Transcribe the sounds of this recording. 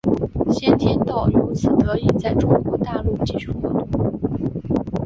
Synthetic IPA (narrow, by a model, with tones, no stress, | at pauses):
ɕjɛ˥˧nt̪ʰjɛ˧˩nt̪ɑ˥˩ʊju˧˥t͡sʰɹ̩˨˩t̪ɤ˧˥i˥˧t͡sa˥˩ɪʈ͡ʂʊ˥ŋkwɔ˧˥t̪a˥˧lu˥˩t͡ɕi˥˩ɕu˧˥xwɔ˧˥t̪ʊ˥˩˥